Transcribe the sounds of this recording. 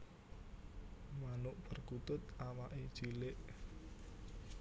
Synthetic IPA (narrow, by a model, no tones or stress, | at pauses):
manʊʔpərkut̪ʊt̪̚awaʔed̥ʒ̥ilɪʔ